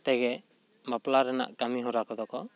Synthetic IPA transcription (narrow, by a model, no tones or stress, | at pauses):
t̪ɛɡɛ | maplaɾɛna̰ʔkamiɦɔɾakɔd̪ɔkɔ